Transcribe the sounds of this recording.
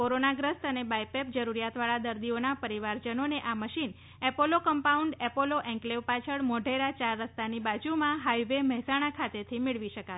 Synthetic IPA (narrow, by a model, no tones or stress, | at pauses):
koɾonaɡɾəst̪ənebajpep̚d͡ʒəɾuɾijat̪ʋaɭad̪əɾd̪ionapəɾiʋaɾd͡ʒənoneʔaməʃin | ɛpolokəmpauɳɖɛpoloʔɛ̃ŋkleʋpat͡ʃʰəɭmɔɖʱeɾat͡ʃaɾːəst̪anibad͡ʒumãɦajʋeməɦɛsaɽ̃akʰat̪et̪ʰimɪɭʋiʃəka